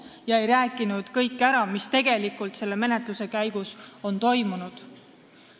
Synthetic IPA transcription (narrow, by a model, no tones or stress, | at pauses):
jɑe̞jɾæːkˑːinud̪̥kɤjkːæɾɑmist̪e̞ɡ̥e̞likːˑult̪se̞lːe̞me̞ne̞t̪ˑluse̞kæjɡ̥uso̞nt̪o̞jmunud̪̥